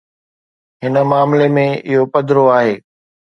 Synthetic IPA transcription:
ɦɪnə̆maːmlemẽɪɦopɐd̪ʱɾoaːɦeː

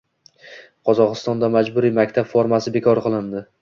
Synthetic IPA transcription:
qʰɒzɒqɨst̪ɒnd̪amad͡ʒbʊɾimakʲt̪ʰabfoɾmasɪbe̞kʰɒɾqɨlˠɪnd̪ɪ

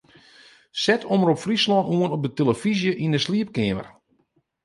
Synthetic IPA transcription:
sɛtʰoməɾɔpfrislɔnuənɔp̚dəteləfizjəʔindəsliəp̚kɪəmə̰r

